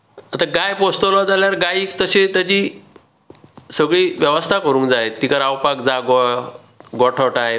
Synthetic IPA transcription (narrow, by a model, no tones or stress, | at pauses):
at̪aɡajpost̪olɔd͡zaljaɾɡaiːkt̪əɕet̪jat͡ɕiː | səɡɭiːʋjəʋəst̪ʰakəɾũːŋkd͡zaet̪ikəɾawpakd͡zaɡɔ | ɡɔʈʰəʈaɦe